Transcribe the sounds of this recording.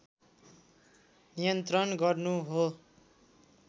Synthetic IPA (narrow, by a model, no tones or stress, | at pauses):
nijʌnt̪rʌnɡʌrnuɦo